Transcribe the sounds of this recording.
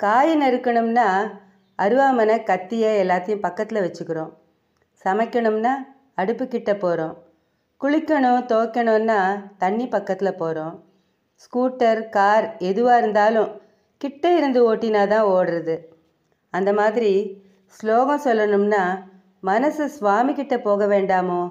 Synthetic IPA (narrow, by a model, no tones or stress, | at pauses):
kaːjɐnɛɾɯkːɐɳɯmnaː | ɐɾɯʋaːmɐnɐkɐt̪ːɪjɐɛlːaːt̪ːɐjʊ̃mpɐkːɐt̪ːɪlɐʋɛt͡ʃːɯkːɪɾõː | sɐmɐɪkːɐɳɯmnaː | ɐɽɯpːɯkːɪʈːɐpːoːɾõː | kʊɭɪkːɐɳʊ̃t̪oːkːɐɳɯ̃nːaːt̪ɐɳːipɐkːɐt̪ːɪlɐpoːɾõː | skuːʈːɐɾkaːɾɛðɯʋaːɪɾɯnd̪aːlʊ̃ | kɪʈːɐɪɾɯnd̪ɯoːʈːinaːt̪ãːoːɽɐɾɐðɯ | ɐnd̪ɐmaːðɪɾi | sloːɣɐ̃sɔlːɐɳɯmnaː | mɐnɐsɯsʋaːmikɪʈːɐpoːɣɐʋeːɳɖaːmoː